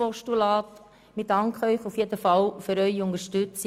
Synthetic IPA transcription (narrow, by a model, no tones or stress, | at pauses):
ɔʃtulɑːt | midɑŋkχœʏχufjedəfɑlfyɾœʏʊnəʃtʏt͡s